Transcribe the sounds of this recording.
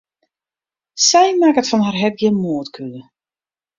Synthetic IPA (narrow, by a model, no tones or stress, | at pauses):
sɛjmakətfɔnɦarɦɛt̚ɡjɪnmoətkʰylə